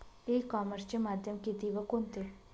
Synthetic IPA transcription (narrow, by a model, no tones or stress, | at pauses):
ekɔːməɾst͡ɕemaːd̪ʱjəmkit̪iʋəkont̪e